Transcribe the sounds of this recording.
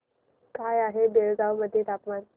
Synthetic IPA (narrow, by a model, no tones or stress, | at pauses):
kajaɦebeɭɡaʋməd̪ʱjet̪apman